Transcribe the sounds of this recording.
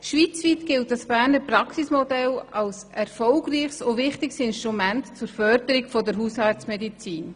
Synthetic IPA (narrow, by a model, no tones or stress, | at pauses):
ʃʋiːt͡sʋiːtɡ̥ɪlt̚d̥ɑsb̥æːɾnəɾprɑksismɔdɛlɑls | ɛɾfɔlɡriːχsovɪχtɪksɪnʃtɾumæntt͡sʊɾfœɾd̥̪əɾɪkfɔdəɾɦuːshɑɾtt͡smɛdit͡siːn